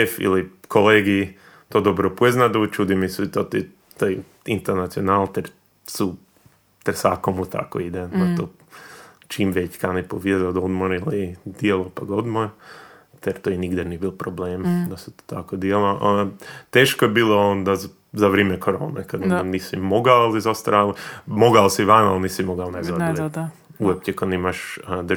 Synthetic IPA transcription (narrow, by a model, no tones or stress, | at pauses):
efḭlikʰoleːɡi | t̪oːd̪obɾopueznad̪ut͡ʃud̪imisut̪ot̪i | t̪oj | int̪eɾnat̪sionalt̪eɾ | su | t̪eɾsaːkomut̪ʰa̰ko̰id̪eat̪o | t͡ʃiːmʋet͡ɕkanipoʋjezad̪od̪moɾilid̪ielˠopaɡod̪moɾt̪eɾt̪oiniɡd̪anijebilˠpɾobleːmd̪asu̥t̪o̥t̪ʰakod̪ielˠoʔt̪eːʃkojebiːlˠoond̪az | zaʋɾeːmɛkʰoɾo̰ːnḛkad̪niːsimoɡaalˠizast̪aɾalimoɡaosiʋanalniːsimoɡaonezadil | uop̚ɛkad̪imaʃd̪